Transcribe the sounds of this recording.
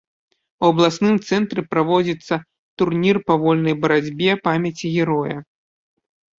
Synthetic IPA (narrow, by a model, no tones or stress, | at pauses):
wɐblˠasnɨmt̪sɛnt̪ɾɨpɾavɔd͡zʲit̪sːɐ | t̪urnʲirpavɔlʲnɐjbɐɾad͡zʲbʲɛpamʲɐt͡sʲiɣʲɛɾɔjɐ̰